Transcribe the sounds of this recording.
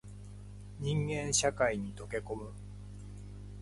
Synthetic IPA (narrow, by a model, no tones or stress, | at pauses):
ɲ̟ĩŋɡẽ̞ɰ̃ɕakaiɲ̟it̪o̞ke̞ko̞mɯ̟